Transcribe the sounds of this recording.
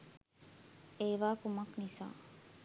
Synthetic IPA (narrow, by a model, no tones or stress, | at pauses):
eːʋaːkumɐknisa̰ː